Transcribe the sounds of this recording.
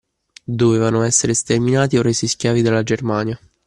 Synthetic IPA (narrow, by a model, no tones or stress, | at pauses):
d̪ovevanoɛsːeɾest̪erminaːt̪iorːeːsiskjaːvid̪alːad͡ʒermaːnja